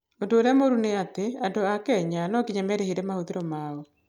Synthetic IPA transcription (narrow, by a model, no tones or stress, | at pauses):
ondoːɾeamoɾuneateandoakɛɲanɔkiɲamɛɾeheɾɛmahoðeɾɔmaɔ